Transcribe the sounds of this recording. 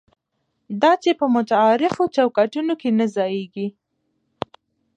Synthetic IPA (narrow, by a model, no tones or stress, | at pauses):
d̪ɑt͡ʃepəmʊt̪aɑɾɪfot͡ʃawkɑʈunokenazɑjeɡi